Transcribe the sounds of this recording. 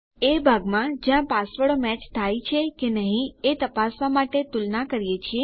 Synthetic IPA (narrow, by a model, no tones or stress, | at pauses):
ebʱaɡmãd͡ʒjãpasʋəɭomɛt͡ʃt̪ʰajt͡ʃʰekenəɦĩet̪əpasʋamaʈet̪ulnakəɾijet͡ʃʰie